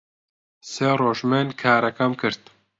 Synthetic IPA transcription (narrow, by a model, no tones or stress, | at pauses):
seːroːʒmenkʰaːɾɐkɐmkɨɾt̪